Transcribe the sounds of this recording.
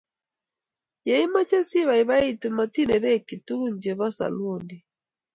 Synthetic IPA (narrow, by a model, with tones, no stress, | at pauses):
ja˨i˦ma˦t͡ʃɛ˦si˦βa˨i˨βa˦i˦˨tu˨ma˨ti˦nɛ˨ɾɛ˦ki˨tu˦ɲd͡ʒɛ˨βa˦sa̰˨lɔ˦˨ndi˨